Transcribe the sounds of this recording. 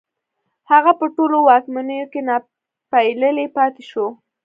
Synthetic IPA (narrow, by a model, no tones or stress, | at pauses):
haɣapəʈolowɑkmanəjokena | pajləlepɑt̪eʃo